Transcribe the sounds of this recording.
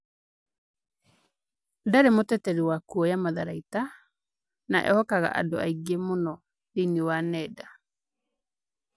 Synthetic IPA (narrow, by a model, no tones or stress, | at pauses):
ndaɾemotɛtɛɾiwakuɔjamaðaɾaita | na̰ʔɛ̰hɔkaɣa̰ʔa̰ndoaiɡemonɔ | ðiniwanɛda